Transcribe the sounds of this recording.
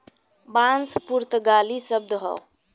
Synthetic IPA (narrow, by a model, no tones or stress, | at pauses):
bãnspuɾt̪əɡalisəb̚d̪ɦɔ̰